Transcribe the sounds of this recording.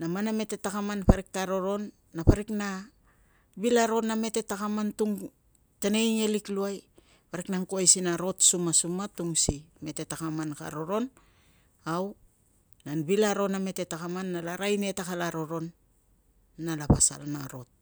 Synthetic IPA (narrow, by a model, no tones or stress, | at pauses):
namaname̞te̞takamanpaɾik̚taɾo̞ɾo̞nː | apaɾikna | bilaɾo̞name̞te̞takamantuŋ | tene̞ŋe̞likluaj | paɾiknaŋkuajsinaɾo̞tsumasumatuŋsime̞te̞takamanka̰ɾo̞ɾo̞n | aw | nanbilaɾo̞name̞te̞takamanːalaɾajne̞takalaɾo̞ɾo̞n | alapa̰sa̰lnaɾo̞t̚